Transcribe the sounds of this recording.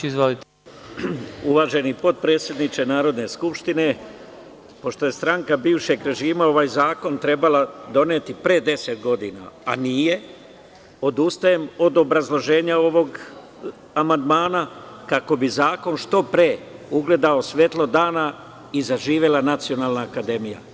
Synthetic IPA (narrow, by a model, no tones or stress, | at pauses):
izʋolit̪ | uʋaːʒe̞nipo̞t̪̚pɾe̞t̪sje̞d̪nit͡ʃenaːɾo̞d̪ne̞skupʃt̪ine̞ | po̞ʃt̪o̞je̞st̪ɾaŋkabiːʋʃe̞ɡɾe̞ʒiːmao̞ʋaːjzaːko̞nt̪ɾe̞balad̪o̞neːt̪ipɾed̪e̞set̪ɡo̞d̪ḭːna̰a̰nije̞ | o̞d̪ust̪aje̞mo̞d̪o̞bɾazlˠo̞ʒe̞ːɲao̞ʋo̞ɡ | amand̪maːnakako̞bizaːko̞nʃt̪o̞pɾeːuɡle̞d̪ao̞sʋe̞t̪lˠo̞d̪aːna | izaʒiːʋjelanat̪sio̞naːlnaːkad̪e̞mija̰